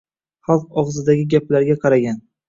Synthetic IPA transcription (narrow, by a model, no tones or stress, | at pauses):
χɑlˠq̚ɒʁzɪd̪aɡʲɪɡʲaplaɾɡʲaqʰɑɾaɡʲan